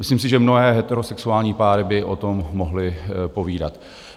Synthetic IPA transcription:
mɪsliːms̬ɪʒɛmno̞ɦɛːɦɛt̪ɛɾosɛksuaːlɲiːpaːɾɪbɪʔo̞t̪o̞mːo̞ɦlɪpo̞viːda̰t̪

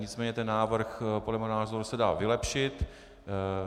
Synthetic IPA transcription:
ɲɪt͡smɛːɲɛt̪ɛnːaːvr̩xpodlɛmunaːzoɾusɛdaːvɪlɛpʃɪt̪

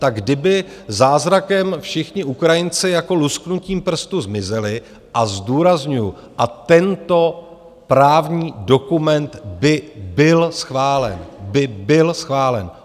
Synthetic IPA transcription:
t̪aɡ̚ɡdɪbɪzaːzɾakɛmfʃɪxɲɪʔukɾajɪnt͡sɪjako̞lusknuciːmpr̩st̪uzmɪzɪlɪ | ʔazduːɾazɲujʊ | ʔat̪ɛnt̪o̞ | pɾaːvɲiːdo̞kumɛnt̪bɪbɪlsxvaːlɛ̰nbɪbɪlsxvaːlɛ̰n

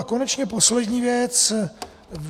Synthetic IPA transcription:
ko̞nɛt͡ʃɲɛpo̞slɛdɲiːvjɛt͡s | v

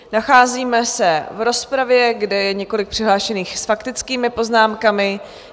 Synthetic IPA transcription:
naxaːziːmɛsɛvɾo̞spɾavjɛɡdɛjɛɲɛko̞lɪk̚pr̝̥ɪɦlaːʃɛniːxsfakt̪ɪt͡skiːmɪpo̞znaːmkamɪ

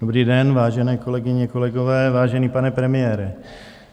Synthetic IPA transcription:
d̥obɾiːdɛnvaːʒɛnɛːko̞lɛɡɪɲɛkolɛɡovɛːvaːʒɛniːpanɛpɾɛmɪjɛːɾɛ

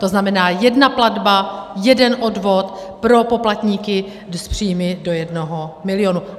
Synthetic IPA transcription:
t̪o̞znamɛnaːjɛdnapladbajɛdɛnʔodvo̞t̪ | pɾo̞po̞plat̪ɲiːkɪ | spr̝̥iːjmɪdo̞jɛdnoɦomɪlɪonu

